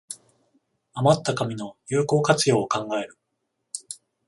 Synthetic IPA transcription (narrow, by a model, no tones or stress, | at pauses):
amat̪ːakamʲino̞jɯːko̞ːkat͡sɨjo̞ːkãŋɡae̞ɾɯ̟